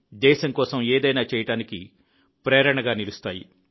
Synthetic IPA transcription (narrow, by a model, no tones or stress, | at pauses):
d̪ɛːʃɐŋkɔːsɐmeːd̪ɐjnaːt͡ʃɛːjɐʈaːniki | pɾɛːɾɐɳɐɡaːnilust̪aːjḭ